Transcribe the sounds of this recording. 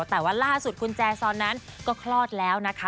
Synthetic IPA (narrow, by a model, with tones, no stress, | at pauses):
t̪ɛː˨˩waː˥˩laː˥˩su˨˩t̪̚kʰu˧nt͡ɕɛː˧sɔː˧nːa˦˥nkɔː˥˩kʰlɔː˥˩t̪̚lɛː˦˥wna˦˥kʰa˦˥